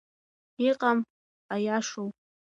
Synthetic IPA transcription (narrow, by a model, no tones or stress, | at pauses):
iqɑm | ajaʂow